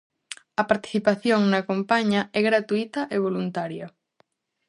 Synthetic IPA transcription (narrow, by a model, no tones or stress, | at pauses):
ɐpaɾt̪i̥θipaθjoŋnɐkompaɲɐɛɣɾat̪uit̪ɐʔeβ̞olunt̪aɾjɐ